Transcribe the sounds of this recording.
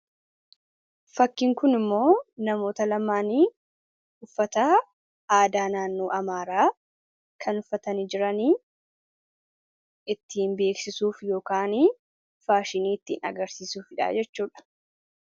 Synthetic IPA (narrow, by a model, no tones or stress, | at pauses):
fɐkːɪŋkʊnɪmːo̞ːnɐmo̞ːt̪ɐlɐmːaːniː | ʊfːɐt̪ɐ | aːd̪aːnaːnːo̞ːʔɐmaːɾaː | kʰɐnʊfːɐt̪ɐnɪd͡ʒɪɾɐniː | ɪt̪ːiːnbe̞ːksɪsuːfjo̞ːkaːniː | faːʃɪniːɪt̪ːɪːnɐ̰ɡɐɾsiːsuːfɪᶑa̰ːd͡ʒɛt͡ʃːuːᶑɐ̥